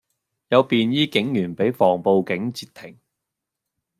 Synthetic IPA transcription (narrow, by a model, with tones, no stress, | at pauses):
jɐ˨˧wpiː˨njiː˥kɪ˨˥ŋjyː˨˩npe˨˥jfɔː˨˩ŋpo˨wkɪ˨˥ŋt͡siː˧t̪ʰɪ˨˩ŋ